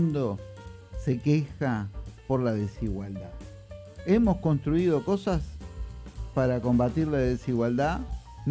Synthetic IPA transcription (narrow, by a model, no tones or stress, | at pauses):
nd̪o̞ | se̞kexapo̞ɾlaðesiɣwald̪a | emo̞sko̞nst̪ɾuiðo̞ko̞sas | paɾako̞mbat̪iɾlaðesiɣwald̪a | n